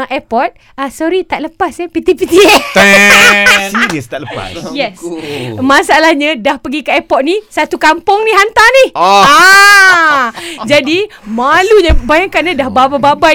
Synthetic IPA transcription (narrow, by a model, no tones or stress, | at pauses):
ʔɛpɔt̪̚ | asɔɾit̪aʔ̚ləpasapit̪ipit̪iɛ | sinəst̪aʔləpa̰sjɛsmasaalahɲãdahpəɡikaɛpɔt̪̚nisat̪ukampʊŋnĩɦant̪aniha | d͡ʒadimaluɲabajaŋkanãdahbabababa